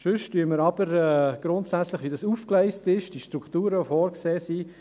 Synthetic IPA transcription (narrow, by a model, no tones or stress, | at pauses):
ʃʏʃtyəməɾɑb̥əɾɛɡ̥ɾʊntsæt͡sləχʋidɑsuːfklɛɪstɪʃd̥iʃtɾukχtuːɾəofɔːɾkseːsiː